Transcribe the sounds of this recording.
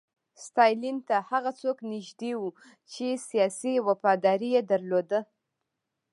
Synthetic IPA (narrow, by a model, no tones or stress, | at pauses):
st̪ɑjlint̪ahaɣat͡soknɪʒd̪ewu | t͡ʃesijɑsiwafɑd̪ɑɾijed̪aɾlod̪ə